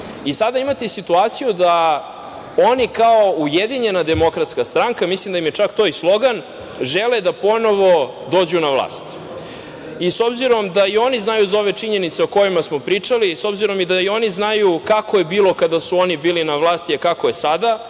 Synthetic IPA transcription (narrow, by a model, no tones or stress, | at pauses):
isad̪aimat̪esit̪uaːt̪sijud̪a | o̞nikaoujed̪iɲe̞nad̪e̞mo̞kɾat̪skast̪ɾaŋkamislimd̪aimjet͡ʂakt̪oislˠo̞ɡan | ʒe̞led̪apo̞no̞ʋo̞ | d̪o̞ːd͡ʑunavlˠa̰ːst̪ | iso̞bziɾo̞md̪aio̞niznajuzao̞ʋe̞t͡ʂiɲenit̪seoko̞jimasmo̞pɾiːt͡ʂaliso̞bziɾo̞mid̪aio̞niznajukakojebiːlˠo̞kad̪asuo̞nibiːlinaʋlˠaːst̪iakako̞je̞sad̪a